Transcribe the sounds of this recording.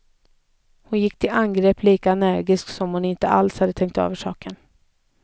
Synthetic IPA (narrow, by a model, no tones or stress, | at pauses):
hʊnjɪkːt̪ʰɪlanɡɾeːpliːkaɛnæɾɡɪsksɔmhʊnɪnt̪ə̰ʔa̰lshad̪ət̪ʰɛŋk̚t̪ø̰ːvəʂɑ̰ːkʰən